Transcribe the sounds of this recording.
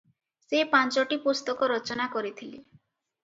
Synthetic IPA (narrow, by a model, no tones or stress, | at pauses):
sepant͡ʃɔʈipust̪ɔkɔɾɔt͡ʃɔnakɔɾit̪ʰili